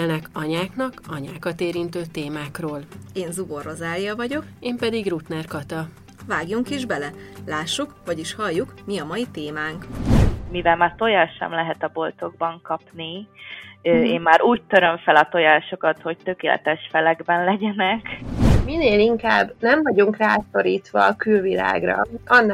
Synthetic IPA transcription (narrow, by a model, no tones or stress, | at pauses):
lnɛkɒɲaːknɒkɒɲaːkɒt̪eːɾint̪øːt̪eːmaːkroːleːnzubo̞ro̞zaːlijɒvɒɟo̞keːmpɛd̪iɡrut̪nɛrkɒt̪ɒ | vaːɡjuŋkiʒbɛlɛlaːʃːukʋɒɟiʃhɒjːukmiɒmɒjit̪eːmaːŋkmivɛlmaːrt̪o̞jaːʃɛ̰mlɛɦɛt̪ɒbo̞lt̪o̞ɡ̚bɒŋkɒpni | øeːmːaːɾʔuːct̪øɾø̞ɱfɛlɒt̪o̞jaːʃo̞kɒt̪ho̞c̚t̪økeːlɛ̰t̪ɛʃfɛlɛɡbɛnlɛɟɛnɛkmineːliŋkaːbnɛɱvɒɟuŋkraːso̞ɾiːt̪ʋɒːkylvila̰ːɡrɒ̰ɒnː